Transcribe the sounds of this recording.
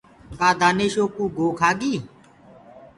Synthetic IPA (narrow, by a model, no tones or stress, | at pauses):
kaːd̪aːneːʃoːkũːɡʱoːkʰaːɠiː